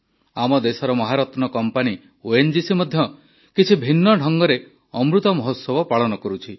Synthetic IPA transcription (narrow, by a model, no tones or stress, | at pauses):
amɔd̪esɔɾɔmɔɦaɾɔt̪nɔkɔmpani | oend͡ʒisimɔd̪ʱjɔ | kit͡ʃʰibʱinːɔɖʱɔŋɡɔɾe | ɔmɾut̪ɔmɔɦot̪sɔbɔpaɭɔnɔkɔɾut͡ʃʰi